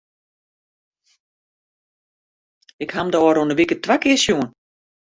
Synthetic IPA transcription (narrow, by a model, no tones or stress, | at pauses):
ɪkhamdəɔːɾunəʋikətʋakɪəsjuən